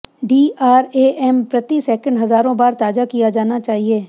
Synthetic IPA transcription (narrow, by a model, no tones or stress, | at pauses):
ɖiːʔaːɾeːʔɛːmpɾɐt̪isɛːkə̃ɳɖɦɐzaːɾõbaːɾt̪aːd͡ʒakijad͡ʒaːnat͡ʃaːɦieː